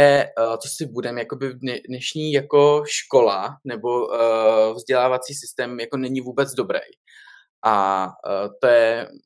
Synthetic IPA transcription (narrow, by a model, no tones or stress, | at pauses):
ɛt̪osɪbudɛmjako̞bɪdɛdnɛʃɲiːjako̞ʃko̞lanɛbo̞ | vzɟɛlaːvat͡siːsɪst̪ɛːmjako̞nɛɲɪvuːbɛt͡sdo̞bɾɛ̰j | ʔa | t̪ojɛ